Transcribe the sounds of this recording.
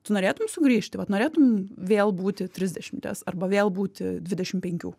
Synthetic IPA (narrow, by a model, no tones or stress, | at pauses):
t̪ʊnoːɾʲeːt̪ʊmsʊɡɾʲiːʃʲt̪ʲɪʋɐt̪noːɾʲeːt̪ʊmʋʲeːlˠbuːt̪ʲɪt̪ʲɾʲɪzʲd̪ʲɛʃʲɪmt̪ʲɛ̰sɐrbɐʋʲeːlˠbuːt̪ʲɪdʲʋʲɪdʲɛʃʲɪmpʲɛŋʲkʲṵː